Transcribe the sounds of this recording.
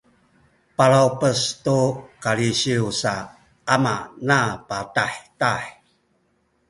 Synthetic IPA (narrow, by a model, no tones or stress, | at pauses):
paɾawpəstukaɭiɕiusa | ama̰napataħtaħ